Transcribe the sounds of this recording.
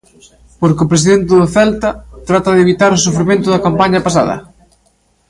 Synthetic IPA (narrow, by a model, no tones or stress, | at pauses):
poɾkɪʊpɾes̬iðɛnt̪ɪðoθɛlt̪ɐt̪ɾat̪ɐðeβit̪aɾʊs̬ufɾimẽnt̪ʊðɐkampaɲɐpas̬a̰ðɐ̰